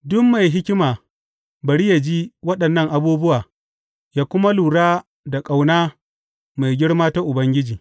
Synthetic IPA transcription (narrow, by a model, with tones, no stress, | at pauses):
dʊ˦mːa˨jɦɪ˦kʲɪ˦maː˨ | bɐ˨ɽi˦ja˨d͡ʒiː˦wɐ˦ɗɐ˨nːɐ˦ŋʔa˨buː˦bʊ˦waː˨ | jaː˦kʷʊ˦ma˦luː˨ɽaː˦ | da˨kʼa˨wnaː˦ | ma˨jɡʲɪ˦ɽmaː˦ta˦ʔʊ˨bɐ˦ŋɡʲɪ˦d͡ʒiː˨